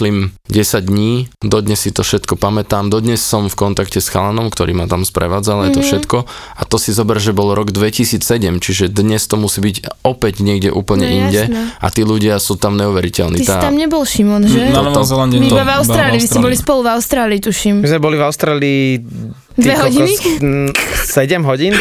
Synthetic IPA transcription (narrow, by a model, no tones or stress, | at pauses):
limɟɛsaɟ̚d̪ɲiːd̪ɔd̪ɲɛsːit̪ɔfʃɛt̪kɔpamɛt̪aːmd̪ɔd̪ɲɛsːɔmfkɔnt̪akcɛsxalanɔmkt̪ɔɾḭːmat̪amspɾɛ̰ʋaːd͡zalɛt̪ɔfʃɛt̪kɔat̪ɔsizɔbɛɾɛʒɛbɔlɾɔɡd̪ʋɛcisiːt͡ssɛɟɛmt͡ʃiʒɛd̪ɲɛst̪ɔmusiːbiɟɔpɛɟɲɪɛɡɟɛʔṵːpl̩ɲɛʔinɟɛa̰t̪iːʎuɟɪasuːt̪amɲɛuʋɛɾicɛlniːst̪aːt̪amɲɛbɔlʃimɔnʒɛzɛlaɲɛiavaʊsɾaːliːʋiscɛbɔlispɔluvaʊst̪ɾaːliːt̪uʃimmizmɛbɔlivaʊst̪ɾaːliː | d̪ʋɛɦɔɟini | sɛɟɛmɦɔɟiːn